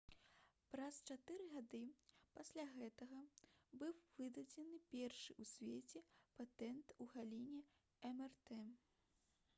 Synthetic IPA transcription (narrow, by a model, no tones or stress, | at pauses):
pɾɐst͡ʂat̪ɨɾɨɣad̪ɨpasʲlʲaɣɛt̪ɐɣɐbɨwvɨd̪ɐd͡zʲɛnɨpʲɛrʂɨʔusʲvʲet͡sʲɛpat̪ɛnt̪uɣalʲinʲɛ | ɛmɛrt̪ɛ